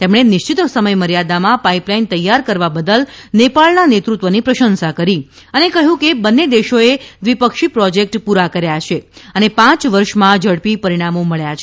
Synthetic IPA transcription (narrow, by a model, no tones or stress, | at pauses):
t̪emɳ̃enɪʃt͡ʃit̪səməjməɾjad̪amãpaiplaint̪əjːaɾkəɾʋabəd̪əlnepaɭnanet̪ɾut̪ʋənipɾəʃənsakəɾi | ənekəɦjũkebənːed̪eʃoed̪ʋipəkʃipɾɔd͡ʒek̚ʈpuɾakəɾjat͡ʃʰeənepãt͡ʃʋəɾʃmãd͡ʒəɽpipəɾiɽ̃amoməɭjat͡ʃʰe